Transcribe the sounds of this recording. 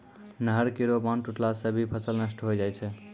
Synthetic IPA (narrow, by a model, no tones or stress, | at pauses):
nəɦəɾkeɾobanʈuʈlasəbʱipʰəsəlnəsʈɦojd͡ʒajt͡ʃʰɛ